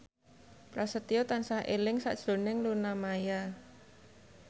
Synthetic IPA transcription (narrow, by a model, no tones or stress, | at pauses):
pɾasət̪iot̪ansahʔḛlɪŋsa̰ʔd̥ʒ̥o̤nɪŋlunamaja